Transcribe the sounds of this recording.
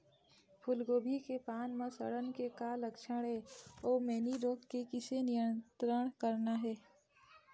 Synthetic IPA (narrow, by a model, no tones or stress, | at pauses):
pʰʊlɡoːbʱikepaːnmãsəɽənkekaːləkʃəɽɦɛːɔːɾmɛːniɾoːkkekɪsenijənt̪ɾəɳ̃kəɾnaɦɛː